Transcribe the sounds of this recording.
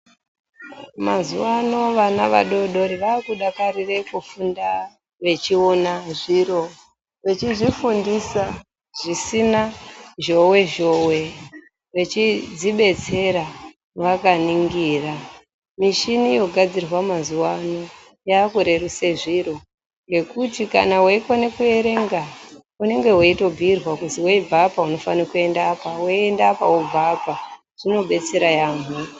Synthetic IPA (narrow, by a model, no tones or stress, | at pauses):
mazuwano̞ʋanaʋa̰ɗo̞ɗoɾiʋaːkuɗakarire̞kufunda | ʋe̞t͡ʃionaʐiro | ʋe̞t͡ʃiʐifundisa | ʐ̥isinaʒo̞we̞ʒowe̞ | ʋe̞t͡ʃid͡ziɓe̞t͡se̞ɾa | ʋakaniŋɡiːra | miʃinijo̞ɡʱad͡zirwamazuwano̞ | jaːkuɾe̞ruseʐiɾo | ŋɡe̞kutika̰naweikonekue̞ɾe̞ŋɡa | une̞ŋɡe̞weito̞bʱiːrwakuziweibʱapauno̞fanikue̞ndaːpaweendapaub͡vʱapa | ʐ̥ino̞ɓe̞t͡se̞ɾajaːmu